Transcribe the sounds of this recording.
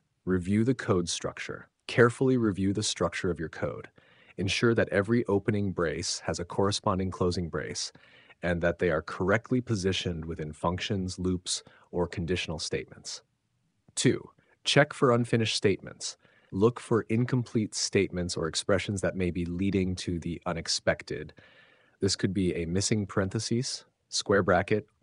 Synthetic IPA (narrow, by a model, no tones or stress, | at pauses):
ɹivjʉðɨkʰoʊd̥stɹ̥ʌ̰k̚t͡ʃə̰˞ | kʰɛɹfl̩ˠiɹivjʉðɨstɹ̥ʌk̚t͡ʃə˞ʌvjə˞kʰoʊɾ | ɨ̃nʃʊɹðɨɾʔɛvɹiʔoʊpɨnɪ̃ŋbɹeɪshɨzɨkʰɔɹɨspɑ̃ndɪ̃ŋkʰl̥oʊzɪ̃ŋbɹḛɪs | ɨ̃nðɨt̪̚ðeɪə˞kʰə˞ɛk̚tʰˡlipʰɨzɪʃɨ̃nd̚wɨθɪ̃nfʌ̃ŋkʃɨ̃nzlups | ə˞kʰn̩dɪʃn̩l̩ˠsteɪt̚mə̃nts | tʰʉ̰ | t͡ʃʰɛkfə˞ʌ̃nfɪ̃ñɨʃtsteɪt̚mɨ̰̃nts | lʊkfə˞ʔɪ̃nkʰə̃m̩pʰl̥itsteɪt̚mɨ̃ntsə˞ɨkspɹɛʃɨ̃n̩zðɨt̚meɪbiliɾɪ̃ŋtʰɨðiʔʌ̃nɨkspɛktɪ̰d̪̚ | ðɪskʰɨd̚biɨmɪsɪ̃ŋpʰə̥˞ɛ̃nθɨsiz̥ | skwɛɹbɹækɨt̚